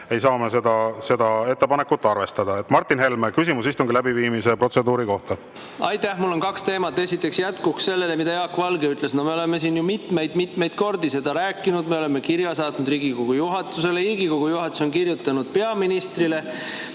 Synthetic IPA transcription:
e̞jsɑːmese̞d̪ɑse̞d̪ɑe̞t̪ːepɑnekːut̪ːˑɑrve̞st̪ɑd̪̥ɑet̪ːˑmɑrt̪ːˑinɦe̞lmekysimusist̪uŋɡ̥ilæbiviːmise̞pro̞t̪se̞d̪uːɾiko̞ht̪ɑ | ɑjt̪ːˑæhmulːo̞nkɑkst̪e̞ːmɑt̪ːe̞sit̪ːˑe̞ksjæt̪kuksse̞lːe̞le̞mid̪ɑjɑːkːvɑlɡeyt̪le̞sno̞me̞ole̞me̞s̬iːnjumit̪me̞jd̪̥mit̪ːˑme̞jd̪ko̞rd̪ise̞d̪ɑɾæːkːˑinud̪me̞o̞le̞mːe̞kiɾjɑsɑːt̪nud̪riːɡ̥ikoɡ̥ujuɦɑt̪ːˑuse̞leiːɡikoɡ̥ujuɦɑt̪ːˑu̥sonkirjut̪ːˑɑnud̪̥pe̞ɑminist̪rile̞

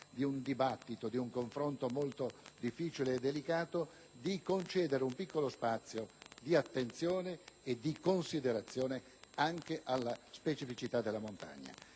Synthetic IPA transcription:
d̪iund̪ibat̪ːit̪od̪iuŋkoɱfɾont̪omolt̪od̪ifːiːt͡ʃileːd̪ːelikaːt̪o | d̪ikont͡ʃɛːd̪eɾeumpikːolospat̪sːjod̪iat̪ːent̪sjoːneːd̪ːikonsid̪eɾat̪sːjoːne | aŋkeʔalːaspet͡ʃifit͡ʃit̪ad̪ːelːamont̪a̰ɲːa̰

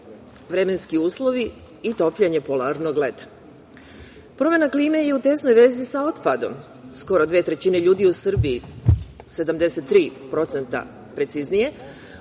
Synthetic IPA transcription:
ʋɾe̞me̞nskiuːslˠo̞ʋi | it̪o̞pʎeɲe̞po̞laɾno̞ɡle̞t̪ḁ | pɾo̞me̞nakliːme̞je̞ut̪e̞snojʋe̞zisao̞t̪pad̪o̞̰m | sko̞ɾod̪ʋe̞ːt̪ɾe̞t͡ɕine̞ʎuːd̪iusr̩bii | se̞d̪amd̪e̞se̞t̪ːɾiːpɾo̞t̪se̞nt̪a̰ | pɾe̞t̪siznije̞

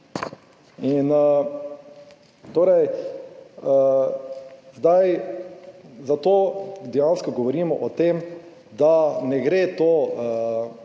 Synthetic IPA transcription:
in | t̪oːɾɛj | zd̪aj | zat̪oːd̪ɛjanskɔɡɔʋɔɾiːmɔʔɔt̪em | d̪anɛɡɾet̪oː

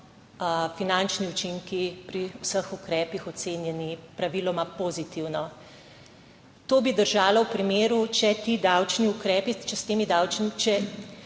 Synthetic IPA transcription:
finant͡ʃniut͡ʃiŋkipɾiwsəxukɾɛːpixɔt̪seːnjɛnipɾaʋilɔmapoːzit̪iwnɔ | t̪oːbid̪əɾʒaːlɔwpɾimeːɾut͡ʃɛt̪iːd̪awt͡ʃniukɾɛːpit͡ʃɛst̪eːmid̪awt͡ʃnt͡ʃɛ

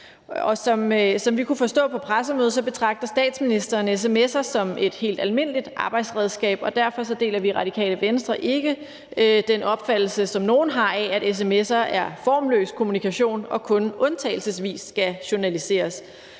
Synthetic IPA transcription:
ɒ̽sɒ̽msɒ̽mʋikʰufɒ̽sd̥ɔ̰̽ːpʰɒ̽pʰʁas̬əmøːð̞̩ˠsɒ̽b̥e̝t͡sʰʁɑ̈ɡ̥̚d̥ɐsd̥ɛ̰ːd̥sminisd̥ɐːnes̬emesɐsɒ̽me̝d̥he̝̰ːld̥ælme̝n̰lid̥ʔɑ̈ːb̥ɑ̈ɪ̰d̥sʁɛð̞ˠsɡ̥ɛ̰ːb̥ɒ̽d̥æɐ̰fɒ̽sɒ̽d̥e̝̰ːlɐʋiʁɑ̈d̥ikʰɛ̰ːləʋensd̥ʁɐʔe̝ɡ̥ə | ød̥enɒ̽b̥fæd̥l̩səsɒ̽mno̝ːn̩ɦɑ̈ææɾes̬emesɐʔæɐfɒ̰ːmlø̰ːskʰo̝munikʰæɕo̝̰ːnɒ̽kʰɔ̽nʔɔ̽nt͡sʰɛ̰ɪl̩səsʋḭːsːɡ̥æɕo̝nælise̝̰ːɐs

